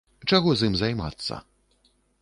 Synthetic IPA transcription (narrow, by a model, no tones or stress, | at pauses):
t͡ʂaɣɔzɨmzajma̰t̪sːɐ̰